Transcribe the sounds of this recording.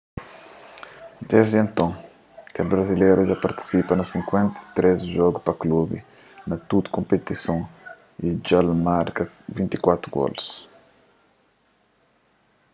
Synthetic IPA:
d̪ezd̪ẽnt̪ɐ̃ | kɐbɾɐzilejɾuʒapɐɾt̪i̥sipɐnɐsĩŋkwẽnt̪i̥t̪ɾezʒɔɡupɐklubḭ | nɐt̪ud̪kõmpet̪isɐ̃ | id͡ʒalmaɾkɐ | vĩnt̪i̥kwat̪ɾuɡɔ̰ls

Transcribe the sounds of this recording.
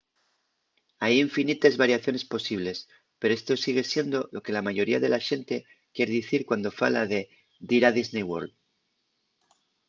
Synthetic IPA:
ajiɱfinit̪ezβaɾjaθjo̞ne̞spo̞siβle̞s | pe̞ɾoe̞st̪o̞siɣ̞e̞sje̞nd̪o̞lo̞ke̞lamaʝo̞ɾiaðe̞laʃe̞nt̪e̞ | kje̞ɾeðiθiɾkwand̪o̞falaðe̞ | d̪iɾað̞iznejwo̞̰ɾld̪

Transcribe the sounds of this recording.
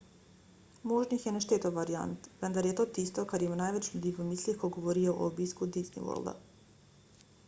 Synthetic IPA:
moʒnixjeneʃt̪eːt̪oʋaɾia̰nt̪ʋend̪aɾjet̪oːt̪ist̪okad̪imunaːjʋet͡ɕʎud̪ipomislikoɡoʋoɾioʔo̰ubiːskʋud̪isnḭʋo̰ld̪a̰

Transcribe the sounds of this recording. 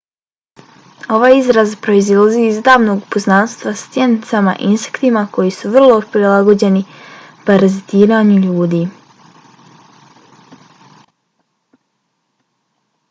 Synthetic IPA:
o̞ʋaːjizɾazpɾo̞izilaziizd̪aːʋno̞ɡpoznaːnst̪ʋast̪sje̞nit̪sama̰ʔinse̥kt̪imako̞jisuʋr̩lˠo̞pɾilˠaɡo̞d͡ʑe̞nipaɾazit̪iːɾaːɲuʎuːd̪iː

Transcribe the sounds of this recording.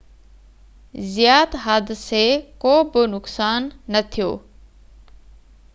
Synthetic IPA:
zɪjaːt̪ɦaːd̪sekoːbɪnʊksaːnːɐt̪ʰijo̰ː

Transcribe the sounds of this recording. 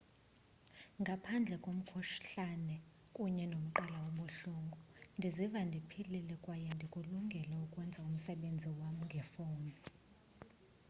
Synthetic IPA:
ŋɡʱapʰand͡ɮʱɛkʼom̩kʰuʃɬanɛkʼuɲɛnom̩ǃalawoɓuɬuŋɡʱɔndʱizivandʱipʰililɛkʼwajɛndʱikʼuluŋɡʱɛlaukʼwɛnd͡zʱaum̩sɛɓend͡zʱiwam̩ŋɡʱɛfoːmɛ

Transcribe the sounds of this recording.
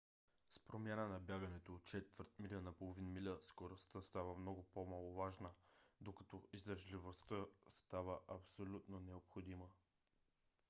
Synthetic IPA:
spɾomʲjanənɐbʲjaɡənɛt̪oːt̪̚t͡ʃɛt̪vəɾt̪milʲənɐpolˠovinmilʲəskoɾost̪əst̪avəmnɔɡʊpomalˠʊvaʒnəd̪okɐ̥t̪ɔizəʒlivost̪əst̪avəʔɐpsolʲut̪nonɛopxod̪imə

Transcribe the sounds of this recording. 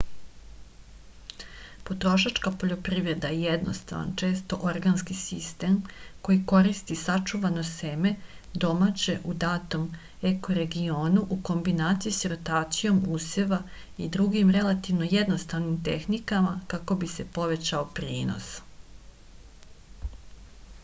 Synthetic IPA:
po̞t̪ɾo̞ʃat͡ʃkapo̞ʎo̞pɾiːʋɾe̞d̪ajejed̪no̞̰st̪a̰ʋa̰nt͡ʃe̞ːst̪o̞ʔoɾɡanskisist̪e̞ːmko̞jiko̞ɾist̪isat͡ʂuʋano̞seme̞ | d̪o̞mat͡ɕe̞ʔud̪aːt̪om | ekoɾe̞ɡio̞ːnuʔuko̞mbinaːt̪sijisiɾot̪aːt̪sijo̞museʋa | id̪ɾuɡimɾe̞lˠat̪iʋno̞jed̪no̞st̪aʋnimt̪e̞̰xnikamakako̞bise̞po̞ʋe̞t͡ɕaopɾiːno̰s

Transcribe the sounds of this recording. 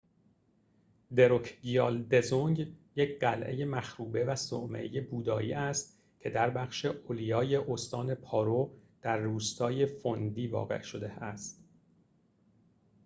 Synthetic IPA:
d̪e̞ɾokʰɡijɑːld̪e̞zoŋɟjecʰɢælʔe̞̰je̞mæxɾuːbe̞væso̰ʔmḛʔeje̞buːd̪ɒːʔiːæst̪̚ | cʰe̞d̪æɾbæχʃe̞ʔolijɒːje̞ʔost̪ɒːne̞pʰɒːɾod̪̥æɾːuːst̪ʰɒːje̞fond̪iːvɒ̰ːɣe̞̰ʔʃod̪e̞æst̪

